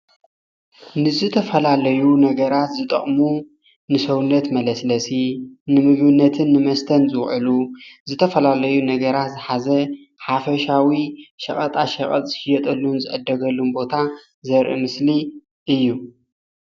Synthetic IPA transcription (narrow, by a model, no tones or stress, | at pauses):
nɨzɨt̪ʰɐfɐlalɐjunɐɡɐɾat̪zɨt̪ʼɐ̰χʼmu | nɨsɐwunːɐt̪mɐlɐslɐsinɨmɨɡbɨnːɐt̪ʰɨnːɨmɐst̪ʰɐnzɨwʕɨluzɨt̪ʰɐfɐlalɐjunɐɡɐɾat̪zɨħazɐ | ħafɐʃawiʃɐχʼɐt̪ʼaʃɐχʼɐ̰t̪ʼz̥ɨʃɪjɐt̪ʼɐlːunzɨʔɨd̪ːɐɡɐlːunbo̞t̪ʰa | zɐɾʔɨ̰mɨsli | ʔɨjːu